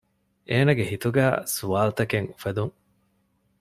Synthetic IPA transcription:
ʔeːnɐɡeɦit̪uɡæ̰ːsuʋaːlt̪ɐkeŋufɐd̪uŋ

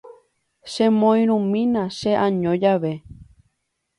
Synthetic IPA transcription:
ʃẽmõĩɾ̃ũmĩnãʃeʔãɲõd͡ʒaʋe

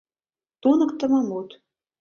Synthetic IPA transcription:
t̪unɤ̆kt̪ə̆mɑmut̪

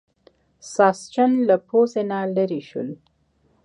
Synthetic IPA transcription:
sɑst͡ʃanlapozenaləɾiʃṵl

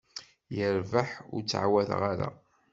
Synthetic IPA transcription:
jəɾvəħʊɾt͡sːʕwæðʁaɾa̰

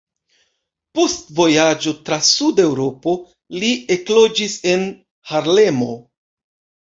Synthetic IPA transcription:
postvo̞jad͡ʒo̞tɾasude̞wɾo̞po̞ | lie̞klo̞d͡ʒise̞n | haɾle̞mo̞

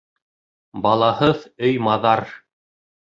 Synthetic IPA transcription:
bɑlˠɑhɤðɵjmɑðɑɾ

